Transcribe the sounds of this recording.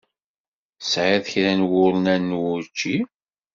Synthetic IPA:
sʕaðçɾænwʊɾnænːwʊɾt͡ʃːi

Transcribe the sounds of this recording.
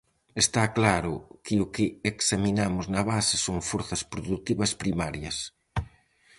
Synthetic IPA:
est̪aklaɾʊkɪʊkɪeksaminamʊznɐβasɪsoŋfoɾθɐspɾoðut̪iβɐspɾimaɾjɐ̰s

